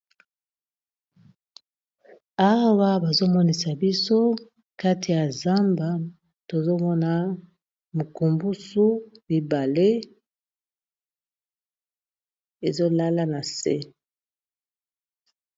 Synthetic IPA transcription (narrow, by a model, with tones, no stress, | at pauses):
a˦wa˦ba˨zo˦mɔ˦ni˨sa˨bi˦so˦ | ka˦ti˨ja˨za˦mba˨ | to˨zo˦mɔ˦na˨ | mu˨ku˨mbu˦su˦li˨ba˨le˦ | e˨zo˦la˦la˦na˨sḛ˦